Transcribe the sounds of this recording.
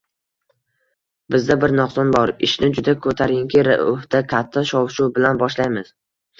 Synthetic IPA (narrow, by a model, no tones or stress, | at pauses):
bɪzd̪abɪɾnɒqsɒnbɒɾɪ̰ʃnɪd͡ʒʊd̪akʰɵt̪ʰaɾjɪŋkʰʲiɾa̰ʊht̪akʲʰat̪ʰːaʃɒwʃuwbɪlanbɒʃlajmɪz̥